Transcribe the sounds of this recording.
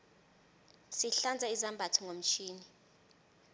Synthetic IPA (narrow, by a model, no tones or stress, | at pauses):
siɬand͡zʱaizambʱatʰiŋʱom̩t͡ʃʰiːni